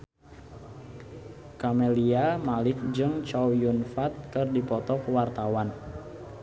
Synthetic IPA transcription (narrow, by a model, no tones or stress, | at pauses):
kamɛliamalɪk̚d͡ʒɨŋt͡ʃawjunfat̪̚kɨrdipɔt̪ɔkwart̪awan